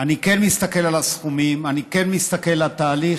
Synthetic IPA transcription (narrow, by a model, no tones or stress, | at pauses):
anike̞nmist̪ake̞lalasχumimanikenmist̪akelat̪aːli